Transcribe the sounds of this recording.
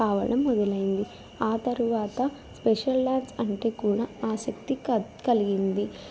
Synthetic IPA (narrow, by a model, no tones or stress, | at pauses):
aːʋɐ̰ɽɐmːɔd̪ɐlɐjind̪i | aːt̪ɐɾuʋaːt̪ɐ | speʂɐlɖaːnsɐɳʈe̞ːkuːɽaːaːsɐk̚t̪ikɐliɡind̪i